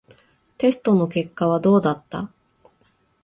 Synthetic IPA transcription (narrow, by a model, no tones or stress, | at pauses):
t̪e̞sɨ̥t̪o̞no̞ke̞kːaβ̞ad̪o̞ːd̪at̪ːa̰